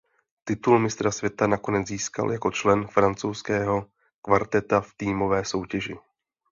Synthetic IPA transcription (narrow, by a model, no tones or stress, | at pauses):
t̪ɪt̪ulmɪst̪ɾasvjɛt̪anako̞nɛd͡zziːska̰ljako̞t͡ʃlɛnfɾant͡sowskɛːɦo̞ | kvaɾt̪ɛt̪aft̪iːmo̞vɛːso̞wcɛʒɪ